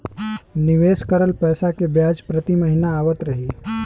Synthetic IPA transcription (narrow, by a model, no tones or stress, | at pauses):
nɪʋeːskəɾəlpɛːsakebjaːd͡ʒpɾɐt̪imɐɦɪnaːʋət̪ɾɐɦiː